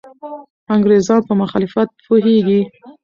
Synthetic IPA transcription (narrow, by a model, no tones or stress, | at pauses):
aŋɡɾezɑnpəmʊxɑlɪfat̪̚pʰoɦeɡi